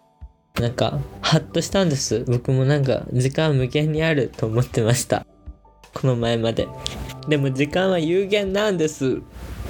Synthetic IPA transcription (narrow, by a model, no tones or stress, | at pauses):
nãŋka̰hat̪ːo̞ɕi̥t̪ãnd̪e̞sɨbo̞kɯ̟mo̞nãŋk̬a̰d͡ʑikãmɯ̟kẽ̞ɲ̟ːiaɾɯ̟t̪o̞ːmo̞t̪ːe̞maɕi̥t̪a̰ | kʰo̞no̞maemad̪e̞̰d̪e̞mo̞d͡ʑikãɰ̃βajɯːɡẽ̞nːãnd̪e̞sɨ